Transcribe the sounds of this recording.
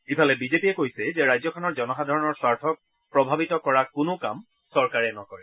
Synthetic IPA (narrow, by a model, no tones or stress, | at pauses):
ipʰalɛbizepiɛkojsɛzɛɹajzɔkʰɔnɔɹzɔnɔxadʱaɹɔnɔɹswaɹtʰɔk̚ | pɹɔbʱabitɔkɔɹakʊnʊka̰m | sɔɹkaɹɛnɔkɔɹɛ